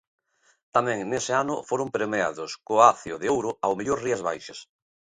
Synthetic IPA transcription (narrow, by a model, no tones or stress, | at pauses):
t̪amɛ̃ŋnesɪanʊfoɾʊmpɾemea̰ðʊskoaθjoðɪowɾʊawmeʎoɾriazβajʃas